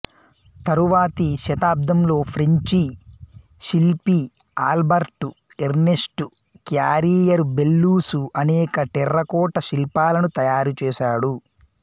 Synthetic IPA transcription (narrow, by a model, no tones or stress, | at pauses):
t̪ɐɾuʋaːt̪iʃɐt̪aːb̚d̪ɐmlo̞ːpʰɾiɲt͡ʃi | ʃilpi | aːlbɐɾʈu | eɾnesʈu | kjaːɾiːjɐɾbelːuːsuʔɐnɛːkɐʈirːɐkɔːʈɐʃilpaːlɐnut̪ɐjaːɾut͡ʃɛːʃaːɽu